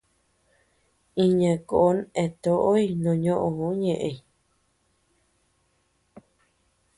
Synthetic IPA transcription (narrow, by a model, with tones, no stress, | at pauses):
ĩ˧ɲã˨ko˨ʔo˦ne˨t̪o˦ʔo˦i˧nõ˨ɲõ˦ʔõ˧hõ˧˦ɲẽ˨ʔẽ˧i